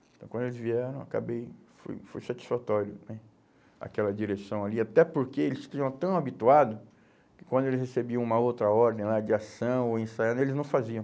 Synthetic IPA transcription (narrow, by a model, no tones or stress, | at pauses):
ẽt̪ɐ̃w̃kɐ̃d̪elɪzviɛɾɐ̃w̃aka̰bejfo̰jfojsat͡ʃi̥sfat̪ɔɾjʊ̰nɛ | a̰kɛlɐd͡ʒiɾesɐ̃w̃aliat̪ɛpoɾkeelɪst͡ʃ̪ĩɲɐ̃w̃t̪ɐ̃w̃abit̪uad̪ʊ | kɪ̥kwɐ̃nd̪ʊelɪshesebiɐ̃w̃ũmɐowt̪ɾɐɔɾd̪ẽj̃lad͡ʒɪasɐ̃w̃oẽsajɐ̃nd̪elɪznɐ̃w̃faziɐ̃w̃